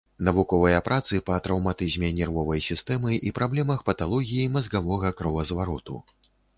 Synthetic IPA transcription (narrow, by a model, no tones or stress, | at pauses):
nɐvukɔvɐjɐpɾʔat̪sɨpɐt̪ɾɐwmat̪ɨzʲmʲɛnʲɛrvɔvɐjsʲist̪ɛmɨʔipɾablʲɛmɐxpɐt̪alˠɔɣʲijimɐzɡavɔɣɐkɾɐvɐzvaɾɔt̪ṵ